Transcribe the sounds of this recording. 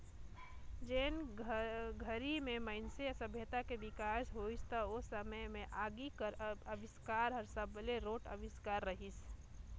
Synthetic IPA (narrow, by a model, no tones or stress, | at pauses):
d͡ʒen | ɡʱəɾimeməɪnsesəbʱjət̪akebikasɦoist̪əosəməjmeʔaɡikəɾəbiskaɾɦəɾsəbleɾoʈə̰ʋiskaɾːəɦis